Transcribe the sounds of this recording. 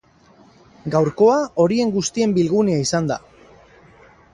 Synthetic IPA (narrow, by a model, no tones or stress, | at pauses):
ɡawɾko̞ao̞ɾie̞ŋɡust̪ie̞mbilɣ̞uneaisand̪a̰